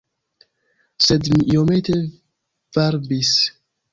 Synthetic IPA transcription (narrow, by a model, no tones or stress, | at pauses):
sedmiʔiomet̪e | vaɾbis